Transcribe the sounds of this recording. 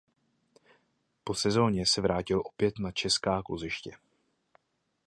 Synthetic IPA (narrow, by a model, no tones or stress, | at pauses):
po̞sɛzo̞ːɲɛsɛvɾaːcɪlʔo̞pjɛt̪nat͡ʃɛskaːkozɪʃcɛ